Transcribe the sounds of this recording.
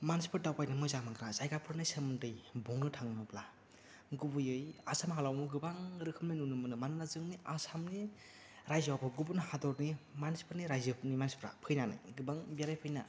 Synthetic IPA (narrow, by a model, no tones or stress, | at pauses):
manspʰɯɾdawpajnɯmɯjzamaŋɡɾazajɡapʰɯɾnɯjsɯmɯndɯjbɔŋnɯtʰaŋnɯpla | ɡubɯjɯjasamɦalawmuɡɯbaŋɾɯkʰɯmninunɯmɯnɯmanɯnazɯŋniasamni | ɾajzwapʰɯɡubɯnhadɔɾnimanspʰɯɾniɾajzɯpʰnimanspʰɾa̰pʰɯjnanɯ̰jɡɯbaŋbiaɾajpʰɯjna